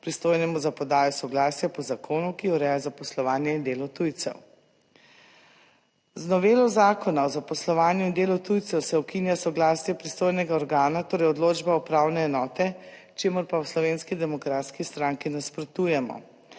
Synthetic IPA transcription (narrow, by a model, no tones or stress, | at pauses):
pɾist̪oːjnɛmuzapɔd̪aːjɔsɔɡlaːsjapɔzakʰoːnukiɔɾɛːjazapɔslɔʋaːnjɛind̪eːlɔt̪ujt̪sɛ̰w | znɔʋeːlɔzaːkɔnaɔzapɔslɔʋaːnjuind̪eːlɔt̪ujt̪sɛwsɛɔkinjasɔɡlaːsjɛpɾist̪oːjnɛɡaɔɾɡaːnat̪oːɾɛjɔd̪loːd͡ʒbaɔpɾawnɛːnɔːt̪ɛ | t͡ʃeːmɔɾpawslɔʋeːnskid̪ɛmɔkɾat̪skist̪ɾaŋkinaspɾɔt̪uːjɛmɔ̰